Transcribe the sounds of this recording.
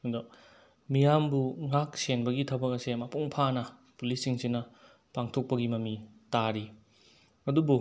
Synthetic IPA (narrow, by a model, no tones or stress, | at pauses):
do | mijambuŋak̚senbɐɡitʰɐbɐkɐsemapuŋpʰanɐ | pulisiŋsinɐ | paŋtʰok̚pɐɡimɐmi | taɾi | ɐdubu